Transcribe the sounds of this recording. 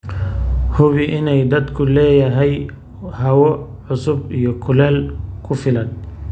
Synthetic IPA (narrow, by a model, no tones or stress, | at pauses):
hʊβɪʔɪnɛjd̪ɐd̪kʰʊlɛːjɐɦɛj | hɐwɔʕʊsʊbijɔkʰʊlɛːlkʰʊfɪlɐn